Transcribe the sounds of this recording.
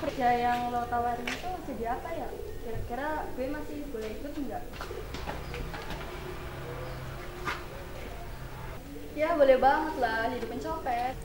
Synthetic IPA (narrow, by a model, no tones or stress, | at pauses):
pərd͡ʒajaŋlot̪awaɾiŋit̪usədiapaja̰ʔkiɾakiɾaɡ̥uwemasɪhbolɛɦikʊt̪ŋɡaʔ | jabolɛhbaŋət̪lahdidipənt͡ʃopɛt̪̚